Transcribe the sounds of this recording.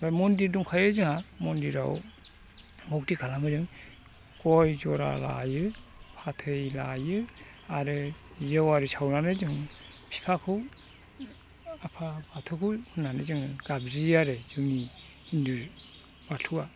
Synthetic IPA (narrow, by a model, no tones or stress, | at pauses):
bamɔndiɾduŋkʰajɯzɯŋhamɔndiɾa̰w | mɔk̚tikʰalamɯzɯŋ | kɔjzɔɾa̰la̰jɯpʰatʰɯjlajɯ | aɾɯ | zewaɾɯsʰawnanɯzɯŋ | pʰi̥pʰakʰɯw | apʰabatʰɯkʰɯhʰɯnːanɯzɯŋɡ̥abziaɾɯzɯni | indu | batʰuwa